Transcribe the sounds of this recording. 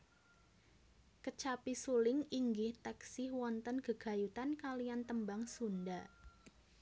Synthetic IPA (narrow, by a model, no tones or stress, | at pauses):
kət͡ʃapisulɪŋiŋɡɪht̪ɛksihwɔnt̪ənɡ̥ə̤ɡ̥a̤jut̪ankaliant̪əmbaŋsunda